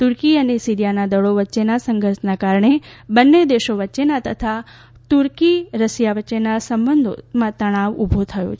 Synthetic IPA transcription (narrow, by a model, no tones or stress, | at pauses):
t̪uɾkiənesiɾijanad̪əɭoʋətːʃenasə̃ŋɡʱəɾsnakaɾɳ̃ebənːed̪eʃoʋətːʃenat̪ə̰t̪ʰa | t̪uɾkiɾəsjaʋətːʃenasəmbənd̪ʱo̰mãt̪əɽ̃aʋubʱot̪ʰəjo̰t͡ʃʰ